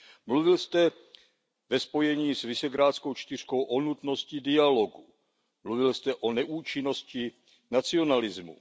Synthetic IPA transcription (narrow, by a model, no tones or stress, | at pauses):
mluvɪlst̪ɛ | vɛspo̞jɛɲiːsvɪʃɛɡɾaːt̪t͡sko̞wt͡ʃt̪ɪr̝̥ko̞wʔonut̪no̞scɪdɪalo̞ɡu | mluvɪlst̪ɛʔo̞nɛʔuːt͡ʃɪno̞scɪ | nat͡sio̞nalɪzmṵ